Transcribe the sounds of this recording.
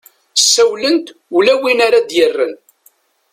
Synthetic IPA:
sːæwlənt̪ulæwinaɾad̪jərːən

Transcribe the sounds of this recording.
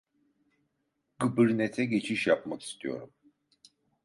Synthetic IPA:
ɡɯbɯɾnet̪ʰɛɟe̞t͡ʃʰiʃjapmaki̥st̪ʰijo̞̰ɾum

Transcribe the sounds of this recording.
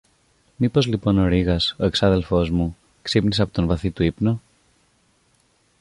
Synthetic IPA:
mipo̞zlipo̞no̞ɾiɣɐso̞e̞ksɐðe̞lfo̞zmu | ksipniseɐpot̪onvɐθit̪uipno̞

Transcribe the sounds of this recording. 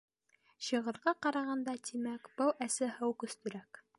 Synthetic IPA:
ɕɤ̆ʁɤ̆ɾʁɑqɑɾɑʁɑnd̪ɑt̪imækb̥ɤwʔæsɘhɤwkɵ̆st̪ɵ̆ɾæk

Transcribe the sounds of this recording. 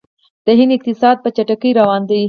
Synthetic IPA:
d̪̥əɦɪnɪq̚t̪ɪsɑd̪̚pət͡ʃaʈakəjɾawɑnd̪i

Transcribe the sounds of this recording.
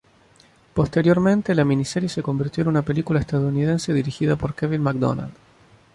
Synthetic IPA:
po̞st̪e̞ɾjo̞ɾmẽnt̪elaminiseɾjeseko̞mbiɾt̪joenunape̞likulaest̪aðouniðe̞nse̞ðiɾixiðapo̞ɾkeβilmak̚d̪o̰na̰ld̪

